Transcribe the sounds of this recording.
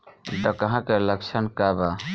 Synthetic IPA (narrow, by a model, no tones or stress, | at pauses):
t̪ɔkəɦãkeləkt͡ʃʰənkaba